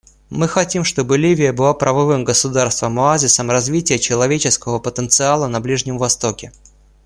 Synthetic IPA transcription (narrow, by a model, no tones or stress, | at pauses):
mɨxɐtʲimʂt̪o̞bɨlʲivʲɪjəbɨlˠapɾʔəvɐvɨmɡəsʊd̪arst̪vəmɐazʲɪsəmrɐzvʲitʲɪjət͡ɕɪlˠɐvʲet͡ɕɪskəvəpət̪ənt̪sɨalˠənɐblʲiʐnʲɪmvɐst̪o̞kʲɪ